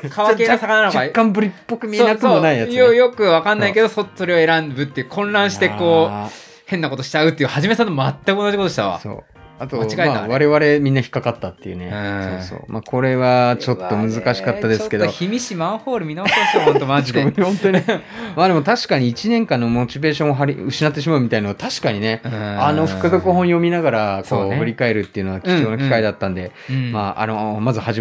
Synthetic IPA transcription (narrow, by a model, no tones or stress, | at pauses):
kʰaβaeːasakananod͡ʑakːãmbɯ̟ɾʲipːokɯ̟mʲieoakɯmonaijaɨjojo̞kɯ̟akãnːaike̞d̪o̞soso̞ɾe̞oe̞ɾãmbɯ̟t̪ːeɯ̟kʰõ̞nɾãɰ̃ɕi̥t̪e̞ko̞ː | hẽ̞nːako̞t̪o̞ɕi̥t͡ɕaɯ̟t̪ːejɯ̟haʑime̞sãnːomat̪ːakɯonaʑikot̪oɕit̪a̰βa̰so̰ː | at̪oot͡ɕiɡaeaaβaɾe̞βaɾe̞mʲĩnːaçi̥kːakat̪ːat̪ːejɯ̟̰nḛɯ̃so̰ːso̰ːma̰kʰo̞ɾe̞βat͡ɕo̞t̪ːo̞mɯ̟zɨkaɕi̥kat̪ːad̪e̞ssɨ̥ke̞d̪oçimʲiɕimãɰ̃ɸoːɾɯ̟mʲinãt̪oaihõ̞nt̪o̞ɲʲi | maːd̪e̞mo̞t̪aɕi̥kaɲ̟iːt͡ɕinẽ̞ŋkãnːo̞mot͡ɕibe̞ːɕõ̞ɰ̃oɦaɾʲɯ̟ɕinat̪ːe̞ɕ̬imaɯ̟mit̪ainoat̪aɕi̥kaɲ̟ine̞ano̞ɸɯ̟̥kɯ̟d̪o̞koɦõɰ̃jo̞mʲinaɡaɾako̞ːɸɯ̟ɾʲikae̞ɾɯ̟t̪ːe̞iɯ̟no̞akʲid͡ʒo̞ːnokʲi̥kaid̪at̪ːãnd̪e̞ | maːa̰nomazɨhaʑi